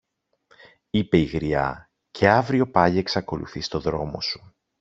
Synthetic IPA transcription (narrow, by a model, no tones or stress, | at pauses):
ipe̞iɣɾiɐ̰ | cʰe̞ɐvɾio̞pɐʝieksɐko̞lṵθist̪o̞ðɾo̞mo̞̰su̥